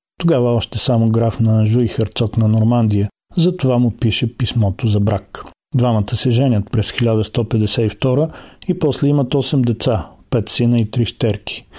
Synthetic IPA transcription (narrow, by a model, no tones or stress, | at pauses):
t̪oɡavəɔʃt̪ɛsamoɡɾafnɐʒuixəɾt̪sɔknɐnoɾmand̪ijə | zɐt̪ovamʊpiʃɛpismɔt̪ozɐbɾak | d̪vamət̪əsɛʒɛnʲət̪̚pɾɛsxilʲad̪əst̪ɔpɛd̪ɛsɛift̪ɔɾəipɔslɛimɐt̪ɔsɛmd̪ɛt̪sapɛt̪sinəit̪ɾiʃt̪ɛɾkʰi̥